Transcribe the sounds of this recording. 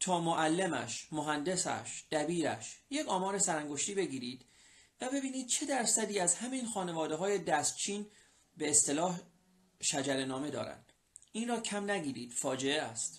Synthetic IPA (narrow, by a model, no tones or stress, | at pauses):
t̪ʰɒːmoʔælːemæ̰ʃmoɦænd̪e̞sæ̰ʃd̪̥æbiːɾæ̰ʃje̞kʰɒːmɒːɾesæɾæŋɡoʃt̪iːbe̞ɡiːɾiːd̪̥ | væbe̞biːniːd̪̚t͡ʃʰe̞d̪æɾsæd̪iːæzhæminxɒːne̞vɒːd̪e̞ɦɒːje̞d̪æst̪t͡ʃʰiːn | beːst̪e̞lɒːh | ʃæd͡ʒæɾenɒːme̞d̪ɒ̰ːɾæ̰nd̪̥ | ʔiːnrɒːcʰæmnæɡiːɾḭːd̪̥fɒːd͡ʒe̞eæst̪